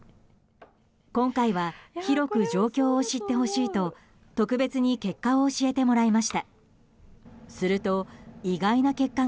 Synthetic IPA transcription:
kõ̞ŋkaiβaçiɾo̞kɯ̟d͡ʑo̞ːkʲo̞ːɕit̪ːe̞ɦo̞ɕiːt̪o̞ | t̪o̞kɯ̟be̞t͡sɨɲ̟ike̞kːaoɕie̞t̪e̞mo̞ɾaimaɕi̥t̪a | sɨɾɯ̟t̪o̞iɡainake̞kːa

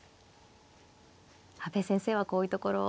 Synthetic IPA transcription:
habe̞sẽ̞ɰ̃se̞ːβako̞ːjiɯ̟t̪oko̞ɾo̞̰

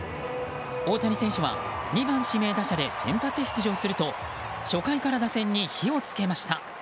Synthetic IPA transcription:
o̞ːt̪aɲʲiseɰ̃ɕoβa̰ | ɲ̟ibãɰ̃ɕime̞ːd̪aɕad̪e̞sẽ̞mpat͡sɨçʲi̥t͡sɨʑo̞ːsɨɾɯ̟t̪o̞ | ɕo̞kaikaɾad̪asẽ̞ɲ̟ːiçio̞t͡sɨ̥ke̞maɕi̥t̪a

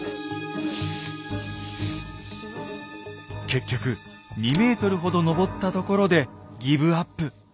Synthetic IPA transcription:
ke̞kʲːo̞kɯ̟ | ɲ̟ʲime̞ːt̪o̞ɾɯ̟ɦo̞d̪o̞no̞bo̞t̪ːat̪o̞ko̞ɾo̞d̪e̞ɡʲibɯ̟apːɯ̟

